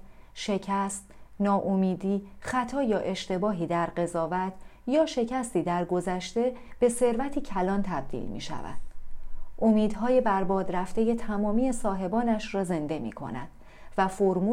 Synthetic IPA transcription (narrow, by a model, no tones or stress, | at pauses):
ʃe̞cʰæst̪nɒːʔomiːd̪iːχæt̪ʰɒːjɒːʔe̞ʃt̪e̞bɒːɦiːd̪æɾɢe̞zɒːvæt̪ʰjɒːʃe̞cʰæst̪iːd̪æɾɡo̞zæʃt̪e̞b̥e̞se̞ɾvæt̪ʰiːcʰælɒːnt̪ʰæb̚d̪ḭlmḭʃæ̰væ̰d̪̥ʔomiːd̪ɦɒːjebæɾbɒːd̪ɾæft̪e̞je̞t̪ʰæmɒːmiːe̞sɒːɦe̞bɒːnæʃrɒːze̞nd̪e̞mḭːkʰo̰næ̰d̪̥ | væfoɾmuː